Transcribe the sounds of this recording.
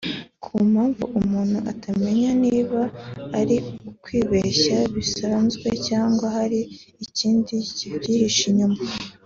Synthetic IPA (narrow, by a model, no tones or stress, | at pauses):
kʰumhaːɱvṵʔumuːn̥huʔatame̞ɲaniːβaːɾiukwiːβeçaβisanzɡwe̞caːŋɡwahaɾiː | ciːndicivjiɾiʃiɲuma